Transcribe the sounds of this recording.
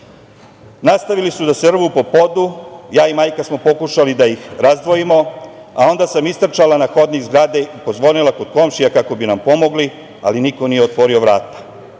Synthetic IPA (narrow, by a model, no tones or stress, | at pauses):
nast̪aʋilisud̪asr̩ʋupo̞po̞d̪ujaːimaːjkasmo̞po̞kuʃalid̪ajixɾazd̪ʋo̞jimo̞a̰o̞nd̪asamist̪r̩t͡ʃalanaxo̞d̪niɡzɡɾaːd̪eipo̞zʋo̞nilako̞d̪̥ko̞mʃijakako̞binampo̞mo̞ɡli | a̰liniko̞nijeot̪ʋo̞ɾio̞ʋɾaːt̪ḁ